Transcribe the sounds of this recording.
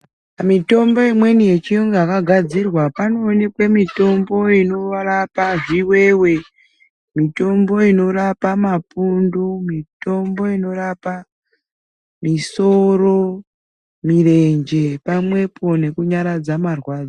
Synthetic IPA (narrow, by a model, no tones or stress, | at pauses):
amito̞mbo̞imwe̞nije̞t͡ʃijoŋɡaːkaɡʱad͡zirwapanoːnekwemito̞mbo̞ino̞rapaʐiwe̞we̞ | mito̞mbo̞ino̞rapamapundumito̞mbo̞ino̞rapa | misoro̞ | mire̞ɲd͡ʒe̞pamwe̞pʰo̞ne̞kuɲaɾad͡zamarwaːd͡za